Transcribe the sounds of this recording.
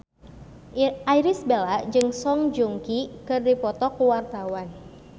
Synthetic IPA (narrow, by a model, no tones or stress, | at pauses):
ʔajɾisbelad͡ʒɨŋsɔŋd͡ʒuŋkikɨrdipɔt̪ɔkuwart̪awan